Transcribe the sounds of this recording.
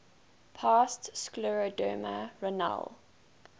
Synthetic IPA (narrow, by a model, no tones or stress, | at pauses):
pʰaːstsklɔɹodə̰ːmə̰ɹəna̰l